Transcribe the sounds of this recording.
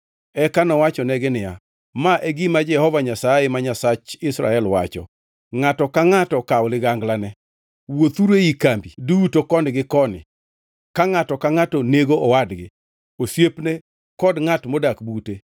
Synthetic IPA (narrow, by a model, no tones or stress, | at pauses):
ɛkanɔwat͡ʃɔnɛɡɪnɪja | maʔeɡimad͡ʒɛhɔvaɲasajemaɲasat͡ʃɪsɾa̰ɛlwa̰t͡ʃɔ̰ | ŋatɔkaŋatɔkawlɪɡaŋɡlanɛ | wot̪uɾeikambidutokɔnɪɡɪkɔnɪ̰ | kaŋatɔkaŋatɔneɡoʔɔwadɡɪ̰ | osjepne | kɔdŋatmodakbute